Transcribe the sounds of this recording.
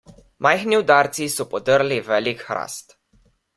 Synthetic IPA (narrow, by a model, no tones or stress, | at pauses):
mʔajxniud̪aːɾt̪sisɔpɔd̪əɾlivɛːlikxɾa̰st̪